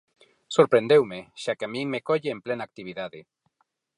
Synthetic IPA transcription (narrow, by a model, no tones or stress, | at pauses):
soɾpɾẽnd̪ewmeʃakeamĩŋmekoʎeːmplenaːk̚t̪iβ̞iðaðe